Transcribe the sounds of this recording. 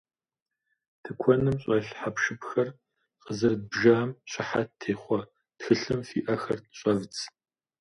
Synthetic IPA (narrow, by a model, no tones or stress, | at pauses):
tʰɨkʷʰɔnɨmɕʼɐɬħapʃɨpxɐr | qəzɨrd̚bʒaːmɕʼɪħattʰeːχʷɔ | txɨɬɨmfḭːʔɐxɐrtɕʼɐvt͡s